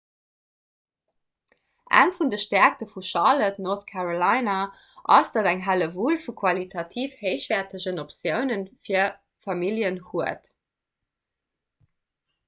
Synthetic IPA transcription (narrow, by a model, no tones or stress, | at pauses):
ʔæ̰ŋfundəʃtæɐk̚təfuʃɑlədənoθkʰæʁolɑɪna | ʔɑ̰sd̥ɑdæŋɦæləvuːlfukʰwɑlitʰɑtʰiːfhəɪɕv̥ɛːɐtʰəʑənopsjəʊnənfiːɐ | fɑmiljənhuət